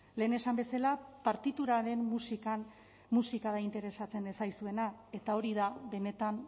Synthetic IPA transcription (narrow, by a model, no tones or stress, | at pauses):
le̞ːne̞sambe̞salapaɾt̪it̪uɾaɾe̞mːusikan | musikaðaint̪e̞ɾe̞sat͡se̞nd̪esajsue̞nae̞t̪ao̞ɾiðabe̞ne̞t̪an